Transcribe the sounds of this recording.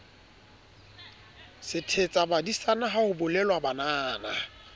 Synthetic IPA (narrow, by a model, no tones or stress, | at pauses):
sɪtʰet͡sʼabadisanaɦahʊbʊlɛlwabanaːna